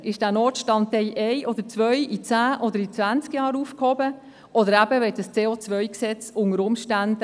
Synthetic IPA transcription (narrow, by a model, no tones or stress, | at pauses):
ʔɪʃd̥æːnoːtʃtɑntːɛɪʔɛɪʔɔd̪əɾt͡svœʏit͡sæːʔɔdəɾit͡svænt͡skjɑːɾuːfkhɔbə | ʔɔdəɾæb̥əvɛt̚d̥əst͡seːoːt͡svœʏksɛt͡sʊŋəɾʊmʃtænd̥